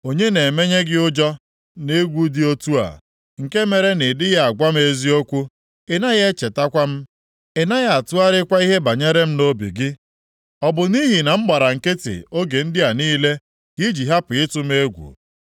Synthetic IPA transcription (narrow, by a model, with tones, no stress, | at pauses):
o˨ɲe˦ne˨me˦ɲe˦ɡɪ˦ʊ˦d͡ʒɔ˦ | ne˦ɡʷu˦dɪ˦o˦tu˦a̰˨ | ŋ̩˨ke˦me˨ɾe˦nɪ˨dɪ˦ɣa˨ɡʷa˦m̩˦e˦zi˦o˦kʷu˦ | e˨na˦ɣe˦t͡ʃe˨ta˦kʷa˦m̩˦ | ɪ˨na˦ɣa˦a˨tʊ˦a˦ɾɪ˦kʷa˦i˦ɦe˦ba˨ɲe˦ɾe˦m̩˦no˦bḭ˨ɡɪ˦ | ɔ˦bʊ˨ni˦ɦi˨na˨m̩˦ɡ͡ba˨ɾa˨ŋ̩˨ke˦tɪ̰˨o˦ɡe˨n̩˦dɪ˦a˨niː˦le˦ | ɡ̥i˦d͡ʒi˨ɦa˦pʊ˨ɪ˦tʊ˦me˦ɡʷṵ˨